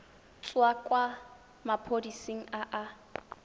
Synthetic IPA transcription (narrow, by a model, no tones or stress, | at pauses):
t͡sʼwakʼwa | mapʰodisiŋ̩aʔa